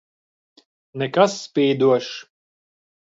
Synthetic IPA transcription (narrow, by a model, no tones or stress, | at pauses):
nɛkasːpʲiːd̪uɔʃ